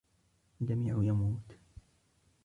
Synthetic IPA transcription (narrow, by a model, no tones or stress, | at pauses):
ld͡ʒamiːʕʊjamuːt̪